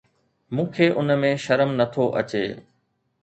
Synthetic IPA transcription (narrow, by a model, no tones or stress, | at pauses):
mũːkʰeːʔʊnmẽʃɐɾəmnɐt̪ʰoʔɐ̰t͡ɕeː